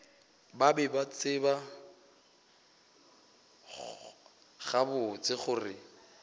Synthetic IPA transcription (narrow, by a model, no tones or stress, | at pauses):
babɛbat͡sʰʼɪba | χabʊt͡sʼɪχʊrɪ